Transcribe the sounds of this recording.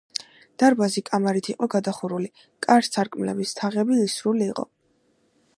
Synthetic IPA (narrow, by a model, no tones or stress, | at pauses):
d̪̥aɾbazikʼamaɾit̪ʰiqʼɔɡad̪aχuɾuli | kʼaɾtsʰaɾkʼmlɛ̰bist̪ʰaʁɛbiːsɾuliːqʼɔ̰